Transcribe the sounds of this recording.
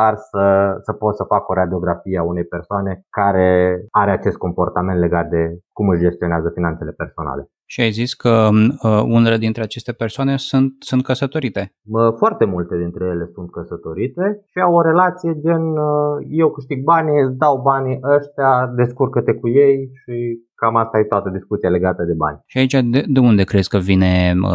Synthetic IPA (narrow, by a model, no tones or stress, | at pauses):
arsəsəpo̞t̪səfako̞ɾad̪io̞ɡɾafijeaune̞jpersoane̞kaɾe̞aɾeat͡ʃe̞st̪̚ko̞mpo̞rt̪ament̪le̞ɡat̪̚d̪e̞kumɨʃd͡ʒe̞st̪io̞neazəfinant̪se̞le̞perso̞na̰le̞ | ʃiajziskʰə | uneled̪int̪ɾe̞at͡ʃe̞st̪e̞persoane̞sunt̪̚sunt̪̚kəsət̪o̞ɾit̪e̞ | əfoart̪e̞mult̪e̞d̪int̪ɾe̞je̞le̞sunt̪̚kəsət̪o̞ɾit̪e̞ʃiawoɾe̞lat̪sije̞d͡ʒenəjewkɨʃt̪iɡ̚banid̪awbaniʔəʃt̪jad̪e̞skurkət̪e̞kujejʃikamast̪ajt̪oat̪əd̪iskut̪sijale̞ɡat̪əd̪e̞ba̰nʲʃiait͡ʃad̪ed̪e̞und̪e̞kɾe̞zkəvine̞ə